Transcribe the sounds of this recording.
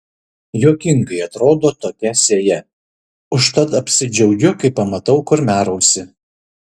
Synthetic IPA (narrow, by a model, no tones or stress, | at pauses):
joːkʲɪŋɡɐɪɐt̪ɾoːd̪oːt̪oːkʲɛsʲeːjɛ | ʊʃt̪ɐt̪ɐpʲsʲɪd͡ʒʲɛʊɡʲʊkɐɪpːɐmɐt̪ɐʊkʊɾmʲæːɾɐʊsʲɪ